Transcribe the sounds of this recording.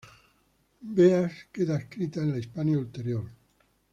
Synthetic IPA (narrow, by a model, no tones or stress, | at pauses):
beaskeðaeskɾit̪aenlaispanjault̪eɾjoɾ